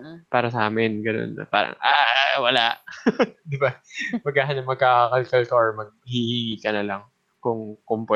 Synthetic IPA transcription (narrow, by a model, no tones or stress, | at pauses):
paːɾɐsɐʔaːmɛnɡɐno̰nːɐ̰pa̰ːɾɐ̰ŋʔawɐlaʔd̪ɪbamɐɡkːaːɦanɐŋmɐɡ̚akɐlkɐlk̪oɹmɐɡ̚hihiŋiːkɐnɐlɐŋ | kʊŋkʊŋpwɛ